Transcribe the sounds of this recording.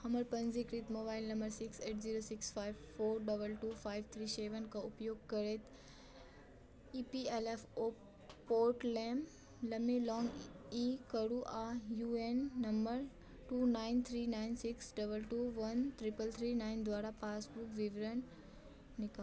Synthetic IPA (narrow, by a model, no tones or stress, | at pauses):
hɐməɾpɐ̃nzikɾit̪moːbaːɪlnɐ̃mbəɾsɪkseːʈziːɾoːsɪksfaːjʋfoːɾɖɐbəlʈuːfʰaːɪʋt̪ʰɾiːseːʋənkãʊpjoːɡkɐɾeːt̪ | iːpielefoː | poːɾʈleːm | lɐmelɔːŋɡikəɽuʔajuenːɐmbəɾ | ʈuːnaːɪnt̪ʰɾiːnaːɪnsɪksɖɐbəlʈuːʋɐnt̪ɾɪpəlt̪ʰɾiːnaːɪnd̪ʋaːɾapaːsbukʋɪʋɾənː | ɪka